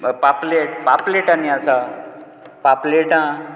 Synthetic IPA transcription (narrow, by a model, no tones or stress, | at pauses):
papleʈpapleʈaniasa | papleʈã